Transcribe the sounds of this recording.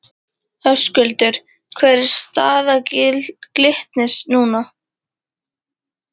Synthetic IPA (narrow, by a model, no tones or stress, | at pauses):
hœskʏlt̪ʏɾ̥ | kʰvɛɾɪɾ̥st̪aːðacɪlklɪht̪nɪsnuːna